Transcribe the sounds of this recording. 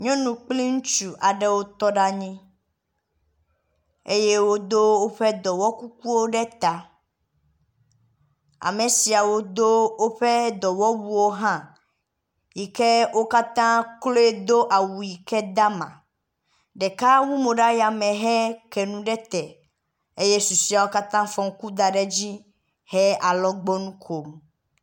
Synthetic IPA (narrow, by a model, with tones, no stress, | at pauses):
ɲɔ̃˦nũ˨k͡plĩ˦ŋũ˦t͡ʃu˨ʔa˨ɖɛ˦wo˦t̪ɔ˦ɖa˦ɲĩ˦ | e˦je˦wo˦d̪o˦wo˦ɸɛ˦d̪ɔ˨wɔ˦ku˦k̚u˦wo˦ɖɛ˦t̪a˨ | a̰˨me˨si˨a˨wo˦d̪o˦wo˦ɸɛ˦d̪ɔ˨wɔ˦bu˦wo˦ɦã˦ | ji˨kɛ˦wo˦ka˦t̪ã˦klo˦e˦d̪o˦ʔa˨wu˨ji˨kɛ˦d̪a˦mã̰˨ | ɖɛ˨ka˦wu˦mo˨ɖa˦ja˨mɛ̃˨ɦɛ˦kɛ˨nũ˦ɖɛ˦t̪ɛ˨ | e˦je˦su˨si˦a˨wo˦ka˦t̪ã˦fɔ̃˨ŋ˦ku˦d̪a˨ɖɛ˦d͡ʑi˦ | hɛ˦a˨lɔ˦ɡ͡bɔ˦nũ˦kʰo˨m